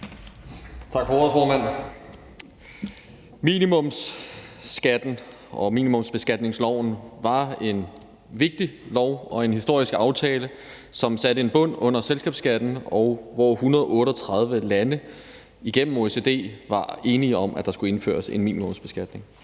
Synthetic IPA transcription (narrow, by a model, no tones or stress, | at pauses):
t͡sʰɑ̈ɡ̥fɒofɒːmæn̰ | mḭnimɔ̽msː | ɡ̥æd̥n̩ | ɒ̽mḭːnimɔ̽msb̥e̝sɡ̥æd̥ne̝ŋslɒʊ̰n̩ʋɑ̈e̝n | ʋe̝ɡ̥̚d̥ilɒʊ̰ɒ̽e̝nhisd̥o̝ɐ̰isɡ̥ɑ̈ʊt͡sʰɛːlə | sɒ̽msæɾ̥əe̝nb̥ɔ̽n̰ɔ̽n̰ɐselsɡ̥ɛ̰ːb̥sɡ̥æd̥n̩ɒʊʋɒhunɐð̞ˠɒʔɔ̽ːɾəɒ̽t͡sʰʁɑ̈ð̞ˠʋəlænə | iɡ̥en̰m̩o̝ese̝d̥e̝̰ːʋɑ̈e̝ːniɒ̽mʔæd̥ɑ̈sɡ̥ue̝nfø̰ːɐse̝nmḭːnimɔ̽msb̥e̝sɡ̥æd̥ne̝ŋ